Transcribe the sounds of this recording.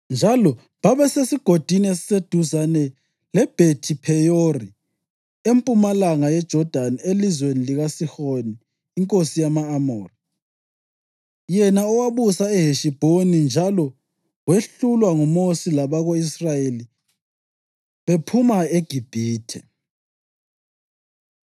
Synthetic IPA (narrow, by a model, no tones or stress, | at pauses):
nd͡ʒʱalɔ | βaβɛsesiɡ̥ʱod̥ʱiniesi̥sed̥ʱuzanɛ | lɛb̥ʱetʰipʰɛjori | empʼumalaŋajɛd̥ʒ̥ʱɔd̥ʱanielizweniliɣasixoniː | ŋkʼosijamaːmoːri | jɛnaɔwaβusaɛɦeʃib̥ʱonind͡ʒʱalɔ | weɬulwaŋumosilaβaɣoisrajeli | βepʰumaeɡ̥ʱib̥ʱiːtʰɛ̰